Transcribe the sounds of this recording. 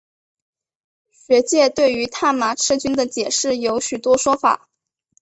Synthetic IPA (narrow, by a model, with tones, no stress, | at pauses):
ɕɥɛ˧˥t͡ɕjɛ˥˧t̪we˥˩ɪy˧˥t̪ʰa˥˩nma˧˥ʈ͡ʂ̩ʰ˥t͡ɕy˥nd̪ə˨t͡ɕjɛ˨˩ʂɻ̩˥˩jo˧˥ʊɕy˨˩t̪wɔ˥ʂwɔ˥fa̰˨˩˦